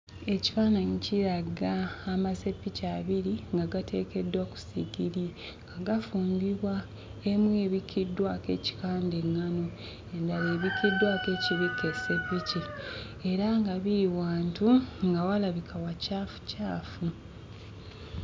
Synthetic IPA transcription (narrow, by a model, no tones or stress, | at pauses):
e̞ci̥faːnaɲiciɾaɡaːmase̞pːicaβiɾiŋɡaɡatʰe̞ːke̞dːwaku̥sḭɡiɾi | ŋɡaɡafuːmbiβwa | e̞mwe̞ːβikidːwake̞̰ːci̥kaːndeŋːano̞ | e̞ndaβeːβikidːwake̞ːciβikʰːe̞se̞pːici | e̞ɾaŋɡaβiɾiwaːntuŋɡawalaβikʰawacaːfu̥caːfu